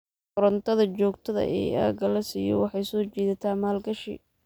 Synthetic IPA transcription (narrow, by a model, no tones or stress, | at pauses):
ʊɾɐnt̪ʰɐðɐt͡ʃɔːɡt̪ʰɐðɐ̰ʔɛ̰ːa̰ːɡɐlɐsiːjɔ̰wɑħɑjsɔːt͡ʃiːðɐt̪ʰaːmaːlɡɐʃɪ̰